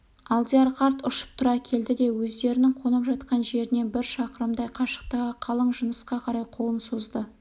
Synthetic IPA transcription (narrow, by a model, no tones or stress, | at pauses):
ɑlˠd̪iaɾqɑɾt̪ʊʃə̥p̚t̪ʰʊɾɑkʲʰe̞ld̪ɪd̪e̞wɵzd̪e̞ɾɪnɪŋqʰo̞nəpʒɑt̪qɑnʒe̞ɾɪne̞nbɪɾʃɑqəɾəmd̪ɑjqʰɑʃə̥q̚t̪ɑʁəqʰɑlˠəɴʒənəsqɑqʰɑɾɑjqʰo̞lˠənsozd̪ə